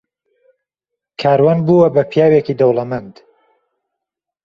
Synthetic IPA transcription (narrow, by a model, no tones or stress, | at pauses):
kʰaːɾwanbuːwɐbɐpʰjaːwekiːd̪owlɐmɐnd̪